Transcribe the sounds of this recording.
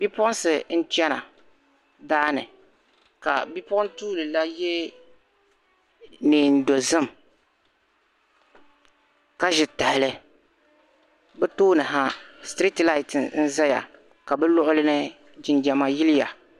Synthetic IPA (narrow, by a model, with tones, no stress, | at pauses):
b̥i˦pɔ˦n˦sɨ˨n̩˦t͡ʃɛ˦na̰˨ | daː˦nɨ̰˨ | ka̰˨bi˦pɔ˦ntuː˦lɨ˨la˦jɛ˦ | niː˨n̩˦˨do˨zɨ˦m | ka˦ʒɪ˨ta˨hɪ˨lɨ˦ | bɛ˦toː˦nɨ˨ɦa˦stɾi˦tla˦ɪ˨tɪ˨nn̩˦za˦ja̰˨ | ka˨bɛ˦lʊ˦ʔʊ˦lɨ˦nɨ˦ | d͡ʒɪ˨nd͡ʒɛ˨ma˨jɪ˦lɪ˦ja˨